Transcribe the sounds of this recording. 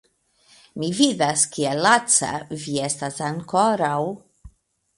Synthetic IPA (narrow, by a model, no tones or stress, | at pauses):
mivid̪askielat͡sa̰viest̪asaŋkoɾaw